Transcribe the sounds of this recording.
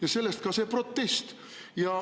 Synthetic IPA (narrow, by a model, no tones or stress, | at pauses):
jɑse̞lːest̪̚kɑse̞pro̞t̪ːe̞st̪ | jɑ